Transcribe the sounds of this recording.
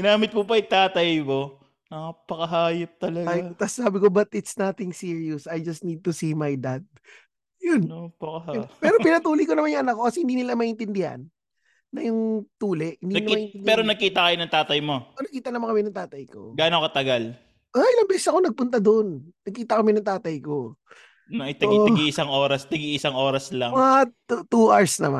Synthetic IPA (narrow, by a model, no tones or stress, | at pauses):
ɡɪnaːmɪt̪̚pʊpɐɪt̪aːt̪ɐjmo̞ | nɐapɐkɐɦaːjɐp̚t̪ɐlɐɡajt̪assaːbɪko̞bɐt̪ɪt̪snat̪ɪŋsiːɹiʊsɐjd͡ʒɐst̪̚nid̪̚t̪ʊsimajd̪ad̪̚ | jʊnpɐkɐɦapɛːɾopɪnɐt̪uːlɪjkonɐmanjʊŋʔɐnak̚ːo̞kɐsɛhɪnd̪iːnɪlamɐʔɪnt̪ɪnd̪ɪha̰nː | ɐjʊŋt̪uːlɛʔhɪnd̪inɪlmɐʔɪnɪnd̪pɛːɾonɐɡ̚kiːt̪ɐkɐjonɐŋt̪aːt̪ɐjmo̞ʔonɐɡ̚kiːt̪ɐnɐmankɐmɛnɐŋt̪aːt̪ɐjko̞̰ɡaːnokɐt̪ɐɡal | ʔoʔɪlɐŋbɛːsɛsɐko̞nɐɡ̚pʊnt̪ɐd̪onnɐɡ̚kiːt̪ɐkɐmɛnɐŋt̪aːt̪ɐjko̞ | nɐt̪ɐʔoɐɡiɪsaŋʔo̞ːɾɐsnɐɡiʔɪsaŋʔo̞ːɾɐslaŋat̪uʔaɹsnɐma